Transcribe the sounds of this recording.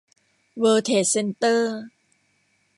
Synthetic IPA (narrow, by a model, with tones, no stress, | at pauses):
wəː˧t̪ʰeː˩˦˩se˧nt̪ɤː˥˩˥